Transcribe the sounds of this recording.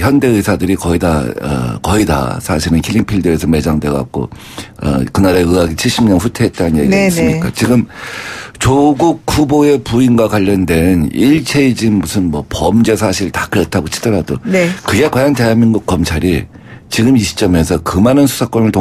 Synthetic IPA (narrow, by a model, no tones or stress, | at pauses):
çjʌnde̞ɯsʰadɯɾikʌida̰ʌ̰kʌida̰sʰaɕʰiɾɯnkʰiʎːiŋpʰiɭdɯesʰʌme̞d͡ʑaŋdwe̞ɡa̰k̚k͈o̰ | ʌ̰kɯnaɾeɯɡaɡit͡ɕʰiɭɕ͈imɲʌnɸutʰe̞ɦːt̚t͈anɯnjeɡiiesɯɲik͈a̰t͡ɕiɡɯm | t͡ɕoɡuk̚huboe̞puinɡwakwaʎːʌndwe̞niɭt͡ɕʰe̞id͡ʑimmusʰɯnmwʌpʌmd͡ʑe̞sʰaɕʰiɾtḁkɯɾʌtʰaɡot͡ɕʰi̥dʌɾadonekɯɡe̞kwajante̞aminɡuk̚k͈ʌmt͡ɕʰaɾi | t͡ɕiɡɯmiɕʰi̥t͡ɕ͈ʌme̞sʰʌkɯmanɯnsʰu̥sʰak͈ʌmɯɭto